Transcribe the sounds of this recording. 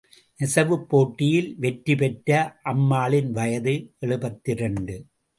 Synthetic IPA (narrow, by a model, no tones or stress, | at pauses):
ʔɛsɐʋɯpːoːʈːɪjɪlʋɛʈɾipɛʈɾɐʔɐmːaːlɪnʋɐjɐðɯʔɛɭɯbɐt̪ːɪɾɐɳɖɯ